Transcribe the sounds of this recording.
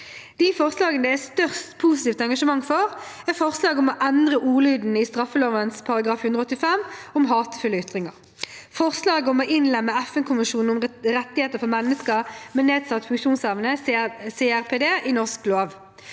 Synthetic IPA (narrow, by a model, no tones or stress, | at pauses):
d̪̥iːfɔʁslɑːɡənəd̪ɛæst̪œʁst̪pʰuːsɪ̥t̪iːft̪ɛŋɡɑʂəmɑŋfɔʁ | æfɔʁslɑːɡəʊmoːʔɛnd̪ʁəʔuːʁlyːd̪n̩ɪst̪ʁɑfəloːʋənspʰɑʁɑɡʁɑːfhʉnd̪ʁəɔt̪ːɪfɛmʊmɦɑːt̪ə̥fʏlːəʏt̪ʁɪŋəʁ | fɔʁslɑːɡəʊmoʔɪnlɛmːəæfənkʊmɪʃuːnn̩ʊmʁɛt̪ːɪheːt̪əfɔmɛnːəskəʁmɛneːd̪sɑt̪ːfʉŋkʂuːnsɛʋənəseːæʁpʰeːd̪eːʔɪnɔʁskloːʋ